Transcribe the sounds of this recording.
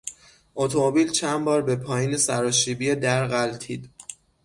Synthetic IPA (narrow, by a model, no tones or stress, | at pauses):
ʔot̪ʰomobiːlt͡ʃʰænbɒːɾbe̞pʰɒːjiːnesæɾɒːʃiːbied̪æɾɣælt̪ʰiːd̪̥